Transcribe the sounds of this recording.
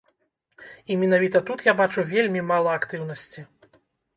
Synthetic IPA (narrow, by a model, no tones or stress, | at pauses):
imʲinavʲit̪ɐt̪ut̪jabat͡ʂuvʲelʲmʲimalˠɐːkt̪ɨwn̪ɐsʲt͡sʲi